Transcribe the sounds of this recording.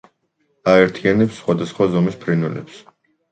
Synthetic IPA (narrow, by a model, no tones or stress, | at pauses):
aɛɾt̪ʰianɛpsːχwad̪asχwazɔmispʰɾinɛlɛ̰ps